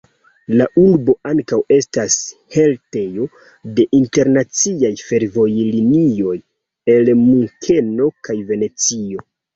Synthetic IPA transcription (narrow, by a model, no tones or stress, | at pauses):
laʔulbo̞aŋkawe̞stashe̞lte̞jo̞ | de̞ʔinte̞ɾnat͡siajfe̞ɾvo̞jlinio̞j | e̞lmuŋkʰe̞no̞kajve̞ne̞t͡sio̞